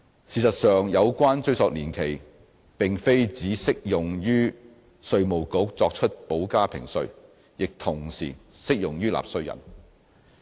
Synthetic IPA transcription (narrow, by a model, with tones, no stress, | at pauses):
siː˨˧sɐ˨t̚sœː˨ŋjɐ˨˧wkʷwaː˥nt͡ʃɵ˧ɥsɔː˨k̚liː˨˩nkʰe˨˩j | pɪ˨ŋfe˥jt͡siː˨˥sɪ˥k̚jʊ˨ŋjyː˥ | sɵ˧ɥmo˨˩wko˨˥k̚t͡sɔː˧k̚t͡ʃʰɵ˥t̚po˨˥wkaː˥pʰɪ˨˩ŋsɵ˧ɥ | jɪ˨k̚t̪ʰʊ˨˩ŋsḭː˨˩sɪ˥k̚jʊ˨ŋjyː˥la̰ː˨p̚sɵ˧ɥjɐ̰˨˩n